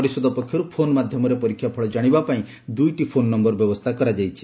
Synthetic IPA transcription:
ɔɾisɔd̪ʱɔpɔkʰjɔɾupʰonɔmad̪ʱjɔmɔɾepɔɾikʰːjapʰɔɭɔd͡ʒaɽ̃ibapaĩ | d̪ujʈipʰonːɔmbɔɾbjɔbɔst̪ʰakɔɾad͡ʒajt͡ʃʰi̥

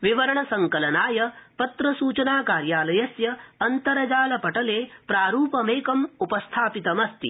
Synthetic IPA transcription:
ʋiʋɐɾɐɳɐsɐŋkɐlɐnaːjɐpɐt̪ɾɐsuːt͡ʃɐnaːkaːɾjaːlɐjɐsjɐːnt̪ɐɾɐd͡ʒaːlɐpɐʈɐleːpɾaːɾuːpɐmeːkɐmupɐst̪ʰaːpit̪ɐmɐst̪ḭ

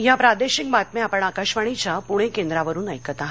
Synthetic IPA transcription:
japɾad̪eɕik̚mat̪meapəɳakaɕʋaɽ̃it͡ɕjapuɽ̃ẽkend̪ɾaʋəɾuːnəjkət̪aɦ

